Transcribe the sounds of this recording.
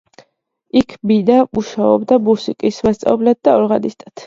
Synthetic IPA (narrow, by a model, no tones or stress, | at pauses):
ikʰbid̪amuʃaɔ̰bd̪abuɾsikʼisvast̪sʼa̰blad̪̚d̪aɔɾʁanist̪ʼat̪ʰ